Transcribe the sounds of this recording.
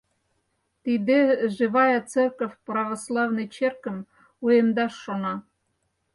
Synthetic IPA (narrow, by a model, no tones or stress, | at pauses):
t̪id̪eʒɨβɑjət͡serkəfʲprɑvoslˠɑvnɨjt͡ɕerkə̆m | ujemd̪ɑʃːonɑ